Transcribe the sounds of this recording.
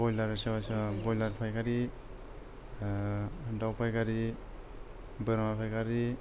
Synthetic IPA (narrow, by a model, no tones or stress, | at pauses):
bɔjlaɾasawasbɔjlaɾpʰajɡaɾi | dawpʰajɡaɾi | bɯɾmapʰajɡaɾi